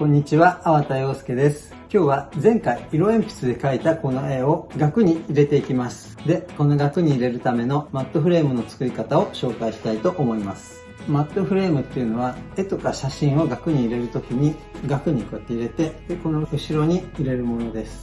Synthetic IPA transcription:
kõ̞ɲ̟ːit͡ɕiβaːβat̪ajo̞ːsɨ̥ke̞d̪e̞sɨ̥ | kʲo̞ːβazẽ̞ŋkaiiɾo̞ẽ̞mpʲi̥sɨd̪e̞kait̪ako̞no̞e̞o̞ɡakɯ̟ɲ̟iːɾe̞t̪e̞ikʲimasɨ̥d̪e̞ko̞no̞ɡakɯ̟ɲ̟iːɾe̞ɾɯ̟t̪ame̞no̞mat̪ːoɸɯ̟ɾe̞ːmɯ̟no̞t͡sɨ̥kɯ̟ikat̪ao̞ɕo̞ːkaiɕi̥t̪ait̪o̞ʔomo̞imasɨ̥ | mat̪ːoɸɯ̟ɾe̞ːmɯ̟t̪ːeiɯ̟no̞β̞ae̞t̪o̞kaɕaɕĩɰ̃o̞ɡakɯ̟ɲ̟iːɾe̞ɾɯ̟t̪o̞kʲiɲ̟iɡakɯ̟ɲ̟ikot̪ːeiɾe̞t̪e̞d̪eko̞no̞ɯ̟ɕiɾo̞ɲ̟iiɾe̞ɾɯ̟mo̞no̞d̪e̞sɨ̥

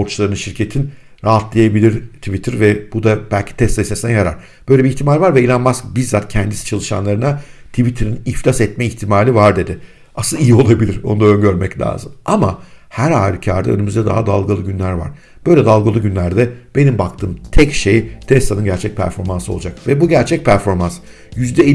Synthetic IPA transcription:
oɾt͡ʃʰlˠaɾɯnɯnʃiɾcʰe̞t̪ʰin | ɾaːɦat̪lˠajabilʲiɾt̪ʰivit̪ʰiɾvɛb̥ud̪ab̥ælʲcʰi̥t̪ʰɛst̪aisesnɛnjaɾa̰ɾ̥ | b̥øjlʲebiçt̪ʰimaːlʲvaɾvɛilnʲanmazbizzat̪̚cʰɛnd̪isi̥t͡ʃʰalˠɯʃa̰nlˠaɾɯnat̪ʰivit̪ʰiɾinifʲasɛt̪̚mɛiçt̪ʰimaːlʲivaɾd̪e̞d̪ɪ | asɯlˠijio̞lˠabilʲiɾo̞nud̪aøɲɟø̞ɾmɛclʲa̰ːzɯmamahæɾaːɾicʰaɾd̪a̰ø̰nymyzd̪ɛd̪a̰ɦad̪alˠɡalˠɯɟynlʲæɾva̰ɾ̥ | b̥ø̞jlʲɛd̪alˠɡalˠɯɟynlʲæɾd̪ɛb̥e̞nimbakt̪ʰɯːmt̪ʰɛcʃejt̪ʰɛst̪anɯnɟæɾt͡ʃʰɛc̚pʰæ̰ɾfo̞ɾmansɯo̞̰ad͡ʒakvɛbuɟæɾt͡ʃʰɛc̚pʰæɾfo̞ɾmans | jyzd̪ɛ

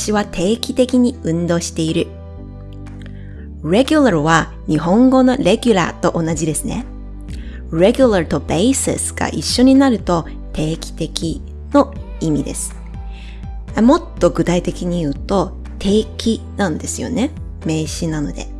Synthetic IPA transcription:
ɕiβat̪ʰe̞ːkʲi̥t̪e̞kʲiɲ̟iɯ̟̃nd̪o̞ːɕi̥t̪e̞iɾɯ̟ | ɾe̞ɡʲɯlaɾɯ̟βa | ɲ̟iɦõ̞ŋɡo̞no̞ɾe̞ɡʲɯɾa̰t̪o̞ʔonad͡ʑid̪e̞sɨne̞̰ | ɾe̞ɡʲɯlaɾɯt̪o̞b̥eisḛsɨ̥ɡ̥a̰ʔiɕːo̞ɲ̟inaɾɯ̟t̪o̞ | t̪ʰe̞ːkʲi̥t̪e̞kʲi | no̞ | imʲid̪e̞̰sɨ̥ | amo̞t̪ːo̞ɡɯ̟t̪ait̪e̞kʲiɲ̟ijɯ̟ːt̪o̞ | t̪ʰe̞ːkʲi | nãnd̪e̞sɨjo̞̰ne̞ | me̞ːɕinano̞̰d̪e̞̰

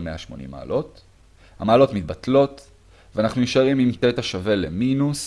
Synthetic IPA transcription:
meaʃmo̞̰nḭmːa̰ːlo̞t | hamaːlo̞tmit̪̚batlo̞t | veanaχnujuʃaʁimimt̪etaʃave̞leminus

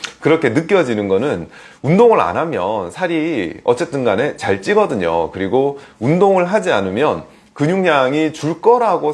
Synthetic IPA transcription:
kɯɾʌkʰe̞nɯk͈jʌd͡ʑinɯnɡʌnɯn | undoŋɯɾa̰nɦamjʌnsʰaɾiʌ̰t͡ɕ͈e̞t͈ɯnɡane̞t͡ɕaɭt͡ɕ͈iɡʌdɯɲo̰kɯɾiɡoundoŋɯɭɦad͡ʑianɯmjʌn | kɯɲuŋɲaŋit͡ɕuɭk͈ʌɾaɡo

